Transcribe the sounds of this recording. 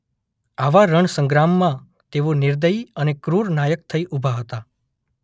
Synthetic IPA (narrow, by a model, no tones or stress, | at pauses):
aʋaɾəɳsə̃ŋɡɾamːã | t̪eʋonɪɾd̪əjənekɾuɾnajək̚t̪ʰəiʔubʱaɦət̪a